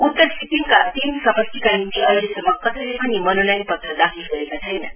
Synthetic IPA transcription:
ut̪ːəɾsʰit̪imkat̪insʌmʌst̪ikanint̪iʌilesʌmːʌkʌsəlepʌnimʌnonajnpʌt̪ɾʌd̪akʰilɡʌɾekat͡sʰʌjna̰

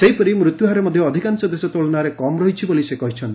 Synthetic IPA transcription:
seɦipɔɾimɾut̪juɦaɾemɔd̪ʱjɔːd̪ʱikant͡ʃɔd̪esɔt̪oɭɔnaɾekɔmɾɔɦit͡ʃʰibolisekɔɦit͡ʃʰɔnt̪ii̥

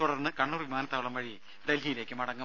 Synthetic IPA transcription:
uɽɐrnːɨkɐɳːuːrʋimaːnɐt̪ːaːʋɐɭɐmʋɐɻi | ɖelɦijile̞ːkːɨmɐɽɐŋːɐ

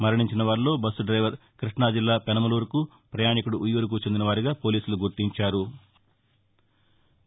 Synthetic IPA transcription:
mɐɾɐɳiɲt͡ʃinɐʋaːɾlo̞ːbɐsːuɖɾɐjʋɐɾkɾiʂɳaːd͡ʒilːaːpɛnɐmɐluːɾku | pɾɐjaːɳikuɽuʔujːuɾuk̬ut͡ʃe̞nd̪inɐʋaːɾiɡaːpo̞ːliːsuluɡuɾt̪iɲt͡ʃaːɾu

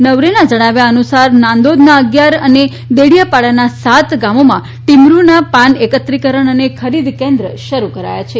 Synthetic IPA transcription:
nəʋɾenad͡ʒəɽ̃aʋjaənusaɾnãnd̪od̪naəɡjaɾəne | d̪eɽijapaɭanasat̪ɡamomã̰ | ʈimɾunapãnekət̪ɾikəɾəɳ̃ənekʰəɾid̪kẽnd̪ɾəʃəɾukəɾa̰ja̰t͡ʃʰe

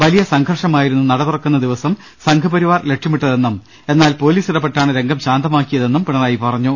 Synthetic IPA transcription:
ʋɐlijɐsɐŋɡʰʱɐrʂɐmaːjiɾunːunɐɽɐðurɐkːunːɐd̪iʋɐsɐm | sɐŋkʰɐpɐɾiʋaːrle̞ʈʂɐmiʈːɐðe̞nːum | e̞nːaːlpo̞ːliːsiɽɐpːeʈːaːɳɨɾe̞ŋɡɐmɕaːnd̪ɐmaːkːijɐðe̞nːumpiɳɐðaːjipɐrɐɲːu

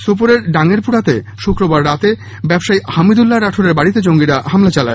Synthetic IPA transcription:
sop̬oɾeɾɖaŋeɾpuɽat̪e | ʃukɾobaɾːat̪e | bɛbʃajhamid̪ulːaɾaʈʰoɾeɾbaɽit̪ed͡ʑoŋɡiɾaɦamlat͡ɕalae

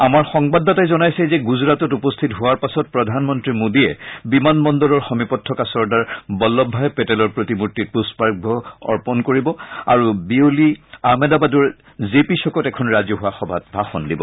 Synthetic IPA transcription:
amaɹxɔŋbadːɔtajzɔnajsɛzɛɡuzɹatɔtupɔstʰitɦʊwaɹpasɔt̚pɹɔdʱanmɔntɹimodiɛbimanmɔndɔlɔɹxɔmipɔtʰːɔkasɔɹdaɹbɔlːɔbʱːaɛpɛtɛlɔɹpɹotimutːit̚puspaɹbʱɔɔ̰ɹpɔnkoɹibɔa̰ɹubioliamɛdabaduɹ | zepisɔkɔtɛkʰɔnɹazɔɦʊwaxɔbʱat̚bʱaxɔndibɔ̰

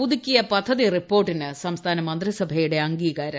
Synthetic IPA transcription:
uðikʲːijɐpɐd̪ʱːɐðiripːo̞ːrʈːinɨsɐmst̪ʰaːnɐmɐnd̪risɐbʱɐjuɽe̞ɐŋɡiːɣaːɾɐ

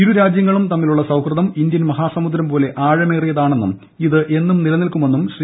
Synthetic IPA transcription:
iɾuɾaːd͡ʑjɐŋːɐɭumt̪ɐmːiluɭːɐsɐwkrɨðɐmind̪jɐnmɐɦaːsɐmud̪ɾɐmpo̞ːle̞ʔaːɻɐmeːrijɐðaːɳe̞nːum | iðɨʔe̞nːumnilɐnilkume̞nːumɕri

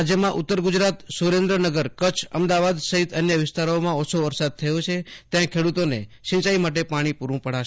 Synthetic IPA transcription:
d͡ʒjəmãʔʊt̪ːəɾɡud͡ʒɾat̪suɾẽnd̪ɾənəɡəɾkət͡ʃʰə̰md̪aʋad̪səɦit̪ənjəʋɪst̪aɾomãɔt͡ʃʰoʋəɾsad̪̚t̪ʰəjot͡ʃʰet̪jãkʰeɽut̪onḛʃɪ̃nt͡ʃaimaʈ̬epaɽ̃ipuɾũpəɽa

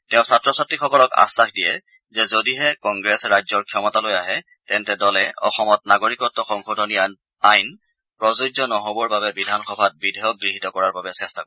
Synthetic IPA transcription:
tɛʊ̃satɹɔsatːikxɔkɔlɔka̰sːaxdijɛ | zɛzodiɦɛkɔŋɡɹɛsɹajzɔɹkʰijɔmɔtalojaɦɛ | tɛntɛdɔlɛɔ̰xɔmɔt̚naɡoɹikɔtːɔxɔŋxodʱɔni | ajn | pɹɔzod͡ʒɔnɔɦobɔɹbabɛbidʱanxɔbʱat̚bidʱɛjɔk̚ɡɹiɦitɔkɔɹaɹbabɛsɛstakɔɹɛ

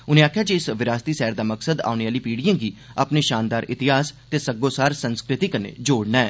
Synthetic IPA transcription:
ʊnẽːaːkʰjaːd͡ʒiɪsʋɪɾaːst̪iːsɛːɾd̪aːməksəd̪a̰ːʊneaːliːpiːɽijãːɡiːapneːʃaːnd̪aːɾɪt̪ɪɦaːst̪eːsəɡoːsaːɾsənskɾɪt̪iːkəɾnḛːd͡ʒoːɽnaːɛ̰ː

